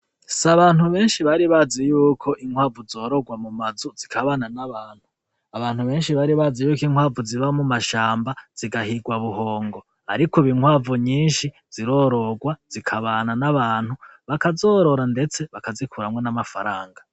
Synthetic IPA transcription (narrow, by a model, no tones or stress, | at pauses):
saβaːnhuβe̞ːnʃiβaɾiβazijuːkʰo̞ʔiŋ̥hwaːvuzo̞ːɾo̞ɡwamumazuz̥ikʰaβananaβaːn̥hu | aβaːn̥huβe̞ːnʃiβaːɾiβazijuːkiŋ̥waːvuziβamumaʃaːmbaz̥iɡahiɡwaβuɦo̞ːŋɡo̞ | a̰ɾikoβiŋwaːvuɲiːnʃi | z̥iɾo̞ːɾo̞ɡwaz̥ikʰaβaːnanaβaːn̥huβakazoːɾo̞ɾande̞t͡se̞βakazikʰuɾamŋwe̞namafaɾaːŋɡa